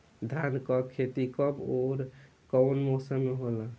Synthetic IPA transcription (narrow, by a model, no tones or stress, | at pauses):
d̪ʱankɔbkʰet̪ikɔboɾ | kɔwnmosəmːeɦolã